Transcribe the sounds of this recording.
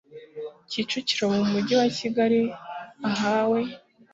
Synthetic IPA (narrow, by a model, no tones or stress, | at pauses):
cit͡ʃuciɾomumuɟiwaciɡaɾiaɦaːwe̞